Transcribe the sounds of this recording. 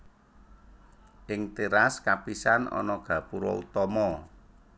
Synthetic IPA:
ʔɪŋt̪iɾaskapisanɔ̰nɔɡ̥a̤puɾɔut̪ɔmɔ

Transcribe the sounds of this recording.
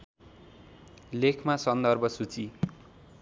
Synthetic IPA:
lekʰmasʌnd̪ʌrbʱʌsut͡si

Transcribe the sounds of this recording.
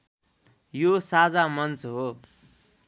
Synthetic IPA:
josad͡zamʌnt͡sɦo

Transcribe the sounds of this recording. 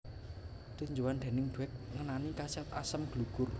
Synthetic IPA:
t̪uɲd͡ʒuwand̪̥ɛ̤nɪŋd̪̥uɛk̚ŋənanikasiat̪asəmɡ̥luɡ̥ʊr

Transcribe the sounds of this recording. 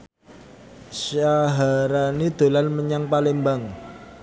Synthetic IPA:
saɦaɾanid̪̥o̤lanməɲaŋpalɪmbaŋ

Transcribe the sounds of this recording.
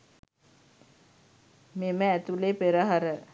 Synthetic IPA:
meməæt̪ulepeɾəɦaɾə

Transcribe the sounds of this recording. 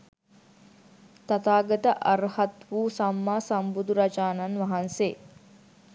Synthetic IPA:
t̪at̪aːɡət̪əʔaɾhat̪ʋuːsamːaːsambud̪uɾat͡ʃaːnanʋɐɦanseː

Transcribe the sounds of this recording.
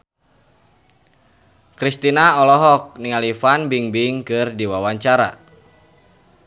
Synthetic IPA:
kɾist̪inaɔlɔɦɔk̚niŋalifanbiŋbiŋkɨrdiwawaɲt͡ʃaɾa̰

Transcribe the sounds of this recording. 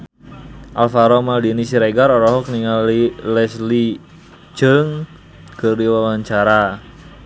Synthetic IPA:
ʔa̰lfaɾɔmaldinisiɾeɡaɾɔɾɔɦɔkniŋalilɛsli | d͡ʒəŋ | kərdiwawaɲt͡ʃaɾa

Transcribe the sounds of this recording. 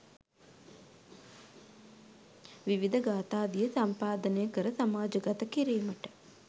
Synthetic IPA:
ʋiʋid̪ɐɡaːt̪aːd̪ijəsɐmpaːd̪ənejəkəɾəsamaːd͡ʒɐɡat̪ɐkiɾiːməʈə̥

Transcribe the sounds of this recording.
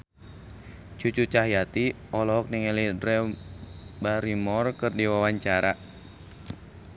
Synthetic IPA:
t͡ʃut͡ʃut͡ʃaɦjat̪i | ɔlɔɦɔk̚niŋɛlidɾɛ | baɾimɔrkɨrdiwawaɲt͡ʃaɾa

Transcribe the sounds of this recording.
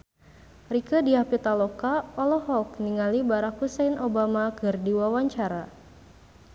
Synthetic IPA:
rikədiahpit̪alɔkaɔlɔɦɔk̚niŋalibaɾak̚husejnobamakɨrdiwawaɲt͡ʃaɾa

